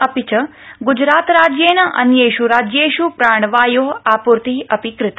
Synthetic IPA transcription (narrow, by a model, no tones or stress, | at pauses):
əpit͡ʃə | ɡud͡ʒɾaːt̪ɾad͡ʒjenəʔɐ̰njeʃuɾad͡ʒjeʃupɾaːɳ̃ʋaːjoːapuɾt̪iəpikɾɪt̪